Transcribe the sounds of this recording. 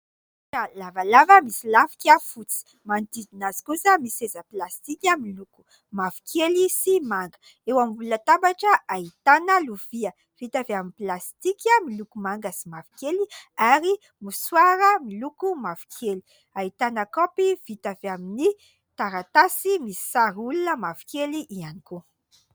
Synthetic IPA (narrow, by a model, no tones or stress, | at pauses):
kalavalavəmisilafi̥kʲafut͡si̥ | mant̪id̪inazi̥kusəmisezəplast̪ikʲəmiluku̥ | mavi̥kʰelisimaŋɡə̥ | ewamivulət̪ambaʈ͡ʂəait̪anəluv̥iə | v̥it̪aveamiplast̪ikəmilukumaŋɡəsimavi̥keliaɾi | muswaɾəmilukumav̥i̥kʰeli̥ | ait̪anəkɔpiv̥it̪avamini | t̪aɾat̪asimisi̥saɾulunəmavi̥keliʔianiko